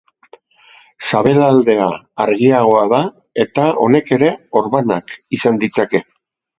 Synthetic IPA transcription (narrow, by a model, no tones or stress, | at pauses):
saβe̞lald̪e̞aːɾɣiaɣ̞o̞aða | e̞t̪ao̞̰ne̞ke̞ɾe̞o̞ɾβanakisand̪it͡sake̞